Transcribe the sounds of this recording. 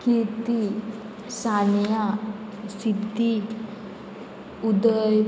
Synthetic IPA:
kit̪i | sanja | sit̪i | ud̪əj

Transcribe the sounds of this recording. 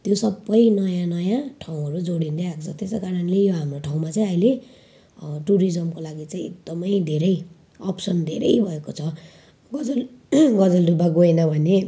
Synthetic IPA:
t̪josʌbːʌjnʌjãnʌjãʈʰawũʌɾud͡zoɽind̪eakt͡sʰʌt̪eskaɾʌnlejoɦamroʈʰaw̃mat͡saĩʌjle | ʈuɾid͡zʌmkolaɡit͡saĩḛɡ̚d̪ʌmʌjd̪ʱeɾʌj | ʌpsʌnd̪ʱeɾʌ̰jbʱʌekot͡sʰʌ | ɡʌd͡zʌlɡʌd͡zʌldubaɡoenʌbʱʌne

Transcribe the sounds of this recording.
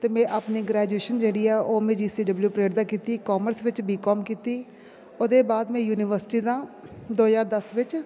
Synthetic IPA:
t̪eːmɛ̃ːʔaːpniːɡɾɛːd͡ʒueːʃənd͡ʒeːɽiːɛːʔoːmẽːd͡ʒiːsiːɖəbljuːpɾeːɖd̪aːkiːt̪iːkɔːməɾsʋɪt͡ʃbiːkɔːmkiːt̪iː | oːd̪eːbaːd̪mɛ̃ːjuːnɪʋəɾsɪ̥ʈiːd̪ãːd̪oːɦzaːɾd̪əsʋɪt͡ʃ

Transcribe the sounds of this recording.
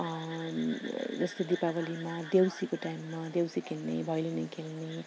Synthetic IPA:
d͡zʌst̪od̪ipabʌlimad̪ewsikoʈajmːad̪jewsikʰelnḛbʱʌjlenʌjkʰelne

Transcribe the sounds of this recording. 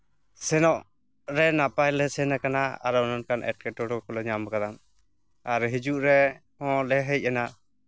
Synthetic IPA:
sɛnɔʔ | ɾɛnapajlɛsɛnakanaa̰ɾɔnɔnkanʔɛ̰ʈ̚kɛʈɔɽɔkɔlɔɲamkad̪am | aɾɦid͡ʒuʔɾɛhɔ̃lɛɦəc̚ˀana

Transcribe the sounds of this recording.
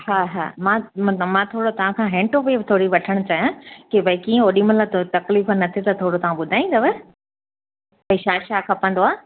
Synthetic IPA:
ɦaːɦa̰ːmãmɐ̃t̪ləmãt̪ʰoːɽot̪ɐʋ̤ãkʰãɦẽːɳʈopibt̪ʰoːɽiʋɐʈʰəɽ̃ʊ̆t͡ɕaːjãkebɐikiːə̃oːɗiməlat̪ɐkliːfnɐt̪ʰit̪ɐt̪ʰoːɽot̪ɐʋ̤ãɓʊd̪ʱaːĩnd̪ɐʋe | pɐiʃaːʃaːkʰãpə̃nd̪oaː

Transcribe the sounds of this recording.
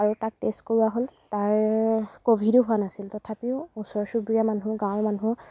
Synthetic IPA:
aɹutak̚test̚kɔɹuwaɦoltaɹkobʱidʊɦuanasiltɔtʰapiʊũsɔɹsubɹijamanɦũɡãw̃manũ

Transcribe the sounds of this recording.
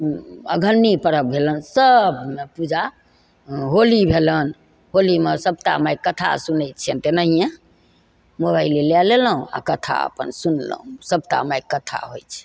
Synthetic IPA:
ə̰ɡʱənːipəɾəb̚bʱelənsəb̚mepud͡ʒʱa | ɦolibʱelən | ɦolimesəb̚t̪a̰majkət̪ʰa̰sunɛjt͡ʃʰent̪enəɦijẽ | moβailelɛleləɦũa̰kət̪ʰa̰ə̰pə̰nsunlə̰ɦũsəb̚t̪a̰majkət̪ʰa̰ɦojt͡ʃʰɛ̥

